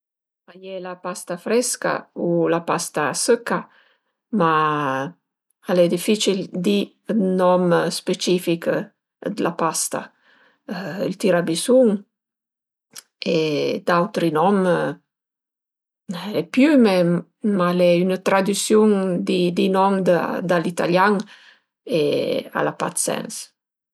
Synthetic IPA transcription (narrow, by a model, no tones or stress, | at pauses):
ajɛlapast̪afɾɛska̰ulapast̪asəkːa | ma | alɛd̪ifit͡ʃild̪i | nɔmspet͡ʃifik | d̪əlʔapast̪a̰ | ḭlt̪iɾabisuŋ | ed̪awt̪ɾinɔm | lɛpjymɛ | malɛynat̪ɾad̪ysjuŋd̪id̪inɔmd̪ad̪alit̪a̰ljaŋ | ea̰lapa̰t̪sɛ̰ns